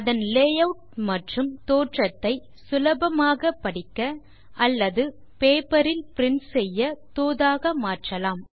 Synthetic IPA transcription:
ɐðɐnleːjɐʋʈ̚mɐʈrɯmt̪oːʈrɐt̪ːɐɪ | sʊlɐbɐmaːɣɐpːɐɽɪkːɐ | ʔɐlːɐðɯ | peːpɐɾɪlpɪɾɪnsɛjːɐt̪oːðaːɣɐmaːʈrɐlaːm

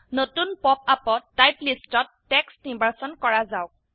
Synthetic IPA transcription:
notunpɔpapɔtːajplistɔtːɛksimbaɹsɔnkɔɹazawk̚

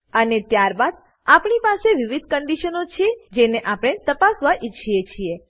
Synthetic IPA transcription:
ənet̪jaɾbad̪ | apɳipaseʋiʋid̪̚ʱkəɳɖiʃənot͡ʃʰied͡ʒeneʔapɽ̃et̪əpasʋaʔit͡ʃʰiet͡ʃʰie

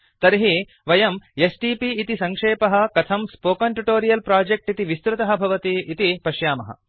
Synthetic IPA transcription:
t̪ɐɾɦi | ʋɐjɐmesʈiːpiːt̪isɐŋkʂeːpɐɦɐ̆kɐt̪ʰɐmspoːkɐɳʈuʈoːɾijɐlpɾaːd͡ʒek̚ʈit̪iʋist̪ɾɐt̪ɐɦɐbʱɐʋɐt̪iʔːt̪ipɐʃjaːmɐɦɐ̰

